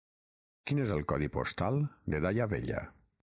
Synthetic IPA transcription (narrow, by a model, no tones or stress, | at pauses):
kinezəlˠkɔðipo̰st̪alˠd̪eðajaβḛʎa̰